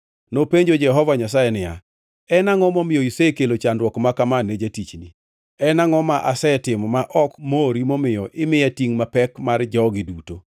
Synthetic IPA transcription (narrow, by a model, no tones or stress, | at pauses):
nopeɲd͡ʒod͡ʒɛɦɔvaɲas̬ajɛnɪja̰ | ɛnaŋɔmɔmɪjɔisekelot͡ʃandwɔkmakamanːed͡ʒatit͡ʃni | ɛnaŋɔmaʔasɛtɪmɔmaʔɔkmoɾimɔmɪjɔʔɪmɪatiŋmapɛkmard͡ʒɔɡɪduto